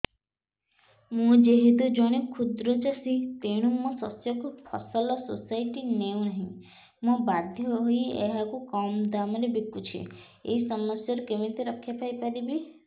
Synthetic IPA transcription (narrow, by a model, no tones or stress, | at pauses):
mũd͡ʒeɦid̪ud͡ʒɔɽ̃ekʰud̪ɾɔt͡ʃasit̪eɽ̃umuɔsɔsjɔkupʰɔ̰sɔlɔsosajʈineũnaɦĩ | mũbad̪ʱjɔɦojḛɦakukɔmd̪amɔɾebikːut͡ʃʰḭ | ḛisɔmɔsjaɾɔkemit̪eɾɔkʰːjapajpaɾibi